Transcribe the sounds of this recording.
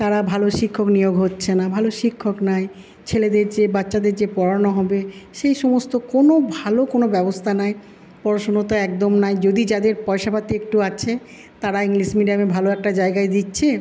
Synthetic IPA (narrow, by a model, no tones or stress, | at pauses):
t̪aɾabʱaloʃikʰːoknijoɡɦotːɕʰenabʱaloʃikʰːoknaj | t͡ɕʰeled̪eɾd͡ʑebatːɕad̪eɾd͡ʑepɔɾanoɦɔbeʃejʃɔmost̪okonobʱalokonobɛbost̪ʰanae | pɔɾoʃonot̪aɛkd̪omnajd͡ʑod̪id͡ʑad̪eɾpɔjʃapat̪iek̚ʈuat͡ɕʰe | t̪aɾaiŋliʃmiɖiamebʱaloɛk̚ʈad͡ʑaeɡaed̪itːɕʰe